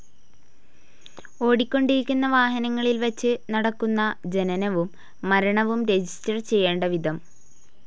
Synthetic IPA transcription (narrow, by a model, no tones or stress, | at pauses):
o̞ːɽikʲːo̞ɳɖiɾikʲːunːɐʋaːɦɐnɐŋːɐɭilʋɐt͡ɕːɨnɐɽɐkːunːɐd͡ʑe̞nɐnɐʋumː | ɐɾɐɳɐʋumɾe̞d͡ʑistɐrt͡ɕe̞jːeːɳɖɐʋid̪ʱɐm